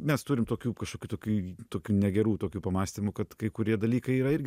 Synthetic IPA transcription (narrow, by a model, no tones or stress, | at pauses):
mʲɛst̪uːɾʲɪmt̪oːkʲuːkɐʃkoːkʲuːt̪oːkʲuːt̪oːkʲuːnʲɛɡʲɛɾuːt̪oːkʲuːpɐmɑːsʲt̪ʲɪmʊkɐt̪kɐɪkʊɾʲiɛd̪ɐlʲiːkɐɪiːɾɐɪrʲɡʲɪ